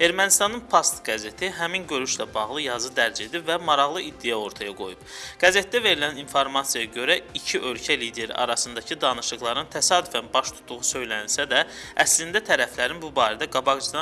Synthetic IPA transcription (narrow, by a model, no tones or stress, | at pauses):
e̞ɾmænist̪ɑnɯnpʰost̪ɡ̥æze̞t̪ʰiɦæminɟø̞ɾyʃlæbɑɣlˠɯjɑzɯd̪æɾd͡ʒe̞d̪ibvæmɑɾɑɣlˠɯʔid̪ːijæo̞ɾt̪ʰɑjɑɡo̞̰jub̥ɡ̥æze̞t̪̚ːd̪æve̞ɾilæninfoɾmɑsijɑjɑɟø̞ɾæicʰiʔø̞lcʰælid̪e̞ɾḭʔɑ̰ɾɑsɯnd̪ɑcʰid̪ɑnɯʃɯɣlˠɑɾɯnt̪ʰæsɑːd̪yfænbɑʃt̪ʰu̥t̪ːuʁusø̞jlænilsæd̪æ | æslind̪æt̪ʰæɾæflæɾinbubɑːɾæd̪æɡɑbɑɡd͡ʒɯd̪ɑ